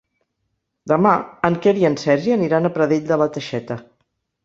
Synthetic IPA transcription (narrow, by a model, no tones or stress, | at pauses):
d̪əmaəŋkeɾiənsɛɾʒiəniɾanəpɾəðeʎʲd̪ələt̪əʃɛt̪ə